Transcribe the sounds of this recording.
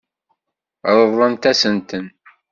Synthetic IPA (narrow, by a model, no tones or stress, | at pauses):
ɾˤəðˤːəmt̪æsənt̪ən